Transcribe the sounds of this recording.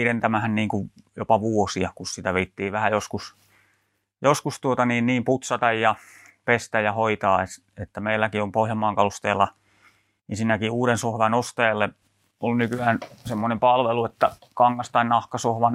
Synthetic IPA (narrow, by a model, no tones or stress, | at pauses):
ɾent̪æmæhænniːŋkuʋjopɑʋuosiɑkussit̪æʋeit̪ːiːʋæhæjoskus | joskust̪uot̪ɑniːnniːmput̪sɑt̪ɑjjɑ | pest̪æjjɑhoit̪ɑːes | et̪ːæmeilːækiompohjɑmˑɑːŋkɑlust̪eːlːɑ | ensinːækiuːɾensohʋɑnost̪eːelːe | olnykyæːnsemːonempɑlʋeluet̪ːæ | kɑŋːɑst̪ɑinnɑhkɑsohʋɑn